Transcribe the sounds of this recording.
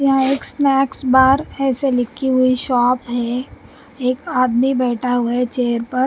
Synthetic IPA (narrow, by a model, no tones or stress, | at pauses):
jɐɦãeːksnɛːksbaːɾɛːselɪkʰːiɦʊiʃɔːpɦɛ | eːkaːd̪mibɛːʈʰaɦʊet͡ʃeːəɾpɐɾ